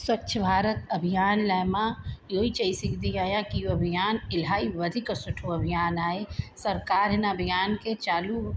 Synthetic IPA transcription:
swɐtːʃʰəbʱaːɾət̪ɐbʱijaːnlɛmãjoːit͡ʃəisikʰd̪ijaːjãkijoɐbʱijaːnɪlɦaːiʋəd̪ʱiksʊʈʰuɐbʱijaːnaːesɐɾkaːɾɦɛnaɐbʱijaːnket͡ʃaːlu

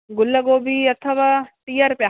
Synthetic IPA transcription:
ɡʊlːəɡoːbiɐt̪ʰːəʋaʈijəɾpja

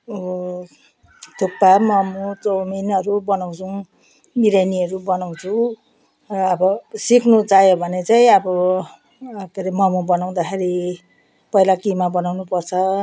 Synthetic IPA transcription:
o | t̪opːamʌmut̪ominʌɾubʌnaw̃t͡sʰu | miɾajniʌɾubʌnaw̃t͡sʰu | rʌːbʌsikʰnut͡sajobʱʌnet͡saĩʌbʌ | ʌkeɾimʌmubʌnaw̃d̪akʰeɾi | pʌilakimabʌnawnupʌrt͡sʰʌ

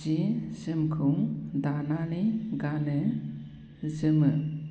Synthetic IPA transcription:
izɯmkʰɯŋd̪ananiɡane | zɯmɯ

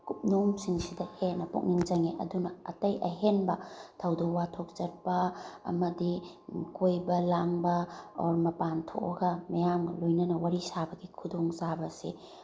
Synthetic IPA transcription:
kup̚nomsiŋsidɐhenɐpṵk̚niŋd͡ʒɐŋeʔɐ̰dunɐɐtɐjʔɐɦenbɐtʰɐwdowatʰok̚zɐt̚pɐɐ̰mɐdi | kojbɐlaŋbɐo̰ɾmɐpantʰo̰kɐɡɐmɐjamlojnɐnɐwaɾisabɐɡikʰudoŋzabɐsḭ

